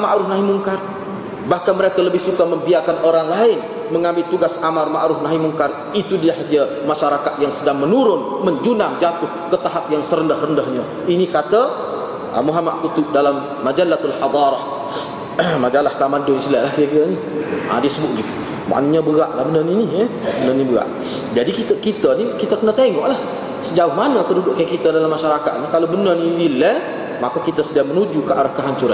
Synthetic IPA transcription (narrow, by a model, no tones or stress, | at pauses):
maʔɾʊhnaɦimuŋkar | bahkanməɾekaləbɪhsukaməmbiakanʔoɾaŋlaɪn | məŋambɪlt̪uɡasamarmaʔɾʊfnaɦimuŋkar | it̪udiaɦadamaʃaɾakat̪̚jaŋsədaŋmənuɾʊnməɲd͡ʒunamd͡ʒat̪ʊhkət̪aɦap̚jaŋsəɾəndəhrəndəhɲa | inikat̪a | ə̰muɦamaʔ̪̚kut̪ʊdalamːad͡ʒalːat̪alħɑd̪ˤɑɾɑh | mad͡ʒalaht̪amandʊsilɛʔlahkiəkit̪əni | a̰disəbʊʔɡit̪u | ma̰ʔnuɲabəɣaʔlahbənərniniə | bənənibəɣa̰ʔ | d͡ʒadikit̪əkit̪ənikit̪əkənat̪eŋɔʔlah | səd͡ʒaʊhmanəkədudʊʔkajakit̪adalamːaʃaɾaka̰t̪̚nəkalobənərniilɛ | makakit̪asədiamənud͡ʒukəʔaɾahkaɦaɲt͡ʃuɾa̰n